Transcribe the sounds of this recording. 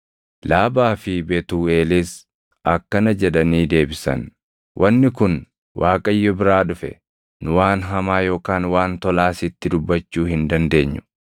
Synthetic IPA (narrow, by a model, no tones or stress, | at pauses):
laːbaːfɪbɛt̪uːeːliːs | ʔɐkːɐnɐd͡ʒɛᶑɐniːd̪e̞ːbɪsɐ̰n | wʔɐnːɪkʊn | wʔaːkʼɐjːɔbɪɾaːᶑʊfɛ̰ | nʊwaːnɦɐmaːjo̞ːkaːnwaːnt̪ɔlaːsɪt̪ːɪd̪ʊbːɐt͡ʃːuːhɪnd̪ɐnd̪e̞ːɲːʊ̥